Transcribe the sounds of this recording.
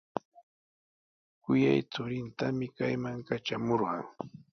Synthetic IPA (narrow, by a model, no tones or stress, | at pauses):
kʊjajt͡sʊɾɪnt̪amɪkajmaŋkat͡ʃamoɾɢɑŋ